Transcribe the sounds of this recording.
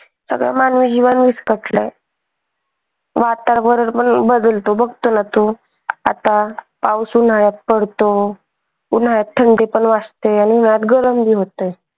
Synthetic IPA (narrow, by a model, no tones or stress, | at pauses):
sə̰ɡɭa̰manʋiːd͡ʑiʋənʋiskəʈlə | ʋat̪aɾbəɾɾpəɳbəd̪əlt̪obəɡt̪onat̪o | a̰t̪a | pausun̤aɭjat̪̚pəɽ̤t̪o | un̤aɭjat̪ʰːəɳɖepəɳʋast̪eaniun̤ajat̪ɡəɾəmd̪iːɦot̪əj